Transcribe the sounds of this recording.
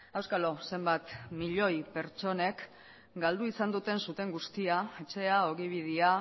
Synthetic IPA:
awskalo̞se̞mbat̪miʎo̞jpe̞ɾt͡ʃo̞ne̞k | ɡald̪uisand̪ut̪e̞nsut̪e̞ŋɡust̪iae̞t͡ʃe̞aoɣiβ̞ið̞ia

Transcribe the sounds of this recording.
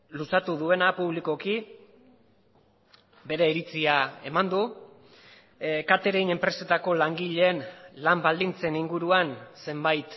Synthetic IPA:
lusat̪uðue̞napuβliko̞ki | be̞ɾeiɾit͡siae̞̰mand̪u | kat̪e̞ɾeine̞mpɾe̞se̞t̪ako̞laŋɡiʎe̞ːnlambald̪int͡se̞niŋɡuɾuanse̞mbajt̪

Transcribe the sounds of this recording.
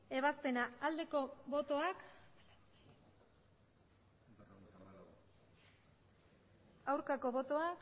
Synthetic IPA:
e̞β̞aspe̞naːld̪e̞ko̞βo̞t̪o̞ak | awɾkako̞βo̞t̪o̞ak

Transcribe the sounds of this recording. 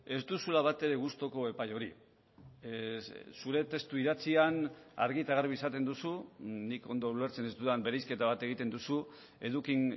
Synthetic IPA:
e̞zd̪usulaβ̞at̪e̞ɾe̞ɣust̪o̞ko̞e̞pajo̞ɾi | suɾe̞t̪e̞st̪uiɾat͡siana̰ɾɣit̪aɣ̞aɾβisat̪e̞nd̪usuniko̞nd̪o̞ule̞ɾt͡se̞nezd̪uðambe̞ɾajske̞t̪aβ̞at̪e̞ɣit̪e̞nd̪usu | e̞ðukin

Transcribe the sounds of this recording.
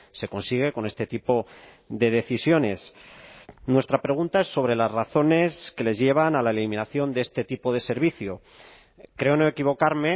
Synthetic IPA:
se̞ko̞nsiɣ̞e̞ko̞ne̞st̪e̞t̪ipo̞ | ðe̞ð̞e̞θisjo̞ne̞s | nwe̞st̪ɾapɾe̞ɣ̞unt̪aesːo̞β̞ɾe̞lazraθo̞ne̞ske̞le̞zʝe̞β̞analae̞limĩnaθjo̞nd̪e̞est̪e̞t̪ipo̞ð̞e̞se̞ɾβiθjo | kɾe̞o̞no̞e̞kiβ̞o̞kaɾme̞

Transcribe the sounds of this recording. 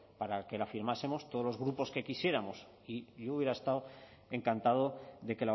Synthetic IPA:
paɾake̞lafiɾmase̞mo̞st̪o̞ð̞o̞lo̞zɣ̞ɾupo̞ske̞kisje̞ɾamo̞s | iʎo̞uβjeɾaest̪aw | e̞ŋkant̪aðo̞ðe̞ke̞la

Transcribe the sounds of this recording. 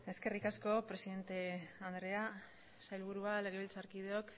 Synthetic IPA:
e̞ske̞rikasko̞pɾe̞siðe̞nt̪e̞and̪ɾe̞a | sajlβuɾuale̞ɣ̞e̞βilt͡saɾkið̞eok

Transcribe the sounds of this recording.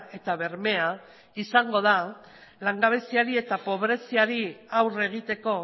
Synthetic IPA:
e̞t̪aβe̞ɾme̞a | isaŋɡo̞ð̞a | laŋɡaβ̞e̞siaɾie̞t̪apo̞βɾe̞siaɾiawre̞ɣ̞it̪e̞ko̞

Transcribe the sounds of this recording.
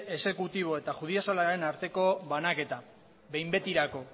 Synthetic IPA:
e̞se̞kut̪iβ̞o̞e̞t̪aʝuð̞iasalaɾe̞naɾt̪e̞ko̞βanake̞t̪a | βe̞jmbe̞t̪iɾako̞

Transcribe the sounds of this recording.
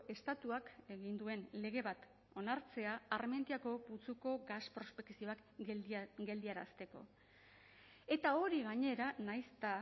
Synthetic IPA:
e̞st̪at̪uake̞ɣind̪ue̞nle̞ɣe̞βat̪ | o̞naɾt͡se̞aːɾme̞nd̪iako̞but͡suko̞ɡaspɾo̞spe̞ksioak | ɡe̞ld̪iaɾa̰st̪e̞ko̞̰ | e̞t̪ao̞ɾiɣaɲe̞ɾanajst̪a

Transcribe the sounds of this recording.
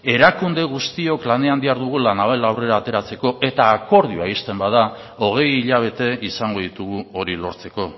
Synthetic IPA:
e̞ɾakund̪e̞ɣ̞ust̪io̞klane̞and̪iaɾðuɣ̞ulanaβelawre̞ɾaːt̪e̞ɾat͡se̞ko̞ʔe̞t̪aːko̞ɾð̞ioaist̪e̞mbað̞a | o̞ɣ̞e̞jiʎaβ̞e̞t̪e̞isaŋɡo̞ðit̪uɣuo̞ɾilo̞̰ɾt͡se̞ko̞

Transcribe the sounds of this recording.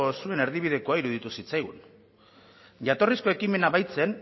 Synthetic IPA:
osue̞ne̞ɾð̞iβ̞ið̞e̞ko̞aiɾuð̞it̪usit͡sajɣun | ʝat̪o̞risko̞e̞kime̞naβajt͡se̞n

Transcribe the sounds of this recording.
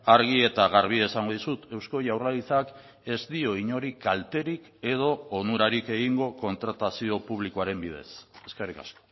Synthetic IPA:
aɾɣie̞t̪aɣaɾβ̞iesaŋɡo̞ðisut̪e̞wsko̞ʝawralit͡sak | e̞zd̪io̞iɲo̞ɾikalt̪e̞ɾik | e̞ðo̞ːnuɾaɾike̞ɣiŋɡo̞ko̞nt̪ɾat̪asio̞puβ̞likoaɾe̞mbið̞e̞̰se̞skerika̰sko̥

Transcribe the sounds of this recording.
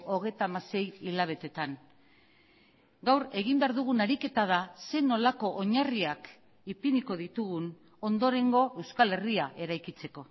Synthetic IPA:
o̞ɣe̞jt̪aːmase̞jilaβ̞e̞t̪e̞t̪an | ɡawɾe̞ɣ̞imbe̞aɾðuɣ̞unaɾike̞t̪að̞ase̞no̞lako̞ʔoɲariak | ipiniko̞ð̞it̪uɣun | o̞nd̪o̞ɾe̞ŋɡo̞ʔe̞wskale̞riaʔe̞ɾajkit͡se̞ko̞

